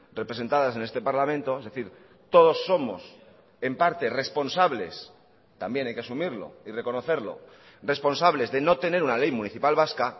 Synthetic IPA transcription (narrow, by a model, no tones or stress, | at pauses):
re̞pɾese̞nt̪aðase̞ne̞st̪e̞paɾlamẽnt̪o̞e̞zðe̞θiɾ | t̪o̞ð̞o̞sːo̞mo̞̰s | e̞mpaɾt̪e̞re̞spo̞nsaβle̞̰s | t̪ambje̞najkeasumiɾlo̞̰ire̞ko̞no̞θe̞ɾlo̞̰ | re̞spo̞nsaβle̞zðe̞no̞t̪e̞ne̞ɾunale̞jmuniθipalβaska